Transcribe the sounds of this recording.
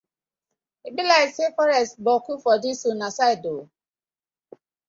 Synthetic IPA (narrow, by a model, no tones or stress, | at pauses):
ibilaɪsefɔɾɛstbɔkufɔdisunasaɪdo